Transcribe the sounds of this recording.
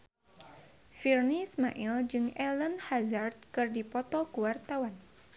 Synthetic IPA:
firnismaʔild͡ʒɨŋɛlənhazard̪̚kɨrdipɔt̪ɔkuwart̪awan

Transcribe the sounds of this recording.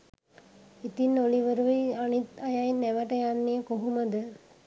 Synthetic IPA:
it̪inːoliʋəɾuʋianit̪ajainːɛʋəʈəjanːiəkoɦuməd̪ə

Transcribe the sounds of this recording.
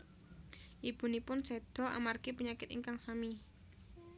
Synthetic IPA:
ʔib̥ṳnipʊnsɛd̪̥ɔ̤ʔa̰markipəɲakɪt̪iŋkaŋsami

